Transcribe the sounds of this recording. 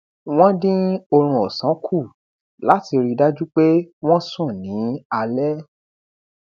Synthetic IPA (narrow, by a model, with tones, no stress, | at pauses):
w̃ɔ̃˦dĩ˦o˧ɾ̃ũ˧ɔ˨sã˨˦kʰu˦˨ | la˨˦ti˧ɾi˧da˦d͡ʒu˦k͡pe˦w̃ɔ̃˦sũ˦˨nĩ˨˦a˧lɛ˦